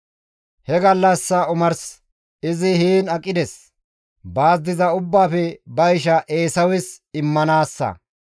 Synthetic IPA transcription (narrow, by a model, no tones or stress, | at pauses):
hɛɡɐlːɐsːɐʊmɐɾs | ɪzɪhiːnɐkʼːɪd̪ɛs | baːzd̪ɪzɐʊbːaːfɛbɐjɪʃɐʔeːsɐwɪsɪmːɐnaːsːɐ̰